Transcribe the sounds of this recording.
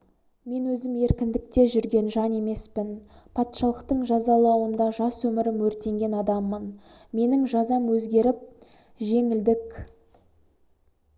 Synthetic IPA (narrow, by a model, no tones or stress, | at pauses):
me̞nwɵzɪme̞ɾkʲɪnd̪ɪk̚t̪e̞ʒʏɾɡʲe̞nʒɑne̞me̞spɪnpʰɑt̪ʃɑlˠəqt̪əɴʒɑzɑlˠɑwənd̪ɑʒɑswɵmɪɾɪmwɵɾt̪e̞ŋɡʲe̞nɑd̪ɑmːənme̞nɪŋʒɑzɑmwɵzɡʲe̞ɾɪp̚ | ʒe̞ŋɪld̪ɪk